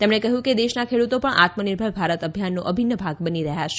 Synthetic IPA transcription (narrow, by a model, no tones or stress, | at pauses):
t̪emɳekəɦjũked̪eʃnakʰeɭut̪opəɳʔa̰t̪məniɾbʱəɭbʱaɾət̪əbʱjanːũʔəbʱinːəbʱaɡbəniɾəɦjaʃe̥